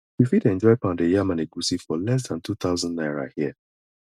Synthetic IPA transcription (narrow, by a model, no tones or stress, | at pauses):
wifidɛ̃nd͡ʒɔɪpãndejamaneɡusifɔlɛs̬dãntut̪aʊzãndnaɪɹa̰hiɛ